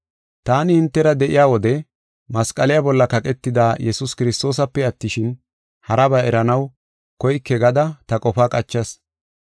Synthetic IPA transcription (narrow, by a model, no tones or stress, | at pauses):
t̪aːnɪhɪnt̪ːɛɾɐd̪ɛʔɪjaːwɔd̪ɛ | mɐskʼɐlɪjabɔlːɐkɐkʼɛt̪ːɪd̪aːjɛsʊskɪɾɪst̪o̞ːs̬ɐpːɛɐt̪ːɪʃɪn | hɐɾɐbɐɛɾɐnɐw | kɔjkːɛɡɐd̪ɐt̪ɐkʼɔfaːkʼɐt͡ʃːɐs